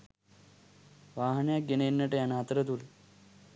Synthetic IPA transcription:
ʋaːɦnjaɡeneːnːɐʈejanaːt̪ɾət̪ul

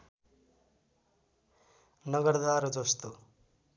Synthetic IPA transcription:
nʌɡʌrd̪aɾʌd͡zʌst̪o

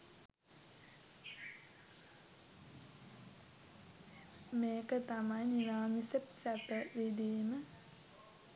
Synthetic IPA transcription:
meːkət̪amajninaːmisepsæpəʋid̪iːmə

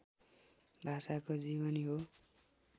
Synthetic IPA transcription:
bʱasakod͡zibʌniɦo

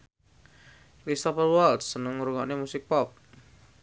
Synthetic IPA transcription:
kɾist̪ɔfərwɔlt̪sːənəŋːuɾuŋanemusɪk̚pɔp̚

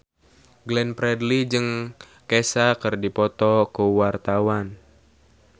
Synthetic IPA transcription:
ɡlɛnpɾɛdlid͡ʒɨŋ | kɛsakɨrdipɔt̪ɔkuwart̪awan

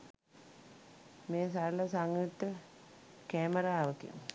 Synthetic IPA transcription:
meːsaɾləsaŋjit̪ːə | kæːməɾaːʋək̪ḭm

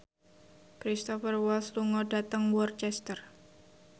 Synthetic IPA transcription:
kɾist̪ɔfərwɔlsluŋɔdat̪əŋwɔrt͡ʃɛst̪ər

